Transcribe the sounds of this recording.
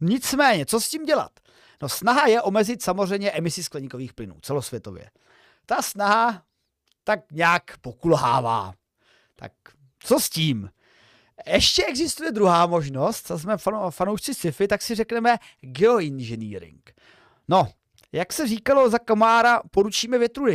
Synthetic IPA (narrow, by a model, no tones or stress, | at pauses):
ɲɪt͡smɛːɲɛt͡sosciːmɟɛla̰t̪ | no̞snaɦajɛʔo̞mɛzɪt̪samor̝ɛjmɲɛʔɛmɪsɪsklɛɲɪko̞viːxplɪnṵːt͡sɛlo̞svjɛt̪o̞̰vjɛ̰ | t̪asnaɦa | t̪ak̚ɲɛakpokulɦa̰ːva̰ː | t̪a̰k̚ | t͡sosciːm | jɛʃcɛɛɡzɪst̪ujɛd̪ɾuɦaːmo̞ʒno̞st̪asmɛffanowʃt͡sɪsɪfɪt̪aksɪrɛknɛmɛ | ɡɛoɪnʒɛnḭːɾɪ̰ŋk | no̞ | jaksɛriːkalo̞zakamaːɾapo̞ɾut͡ʃiːmɛvjɛt̪ɾuːdɪ